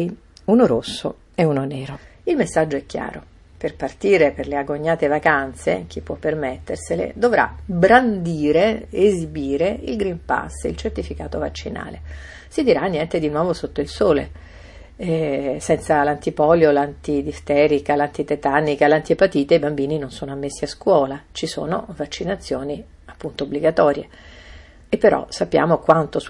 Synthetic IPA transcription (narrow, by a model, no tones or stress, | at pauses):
unoɾosːo̰ | eunonɛːɾoilmesːad͡ʒːoɛkːja̰ːɾo | perpart̪iːɾeperleaɡoɲːaːt̪evakant̪sḛk̟ipːwɔpːermet̪ːerselḛd̪ovɾa̰bɾand̪iːɾeezibiːɾeilɡɾimpa̰sːilt͡ʃert̪ifikaːt̪ova̰t͡ʃːina̰ːlḛ | sid̪iɾanːjɛnt̪ed̪inwɔːvosot̪ːoilsoːlḛ | ɛsɛnt̪salant̪ipɔljolant̪id̪ist̪ɛːɾikalant̪it̪et̪anːikalant̪ipat̪iːt̪eibambiːninonsoːnoamːesːiaskwɔːlat͡ʃiso̰ːno̰vat͡ʃːinat̪sːjoːni | apːunt̪oːbːliɡat̪ɔːɾjḛ | epːeɾɔ̰sapːja̰ːmokwant̪o